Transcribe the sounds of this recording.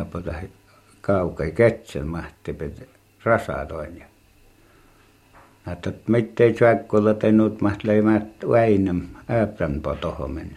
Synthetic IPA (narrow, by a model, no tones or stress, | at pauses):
pot̪ɑh | kɑˑukɑiket̪sḛlmɑht̪ːˑipet̪ | rɑsɑ̰t̪oˑinjɑ | nɑˑet̪ːot̪mit̪ːeˑit͡ʃækːolːɑt̪eˑinuːt̪mɑht̪leimæt̪uæinæmæːprænpo̰t̪oho̰men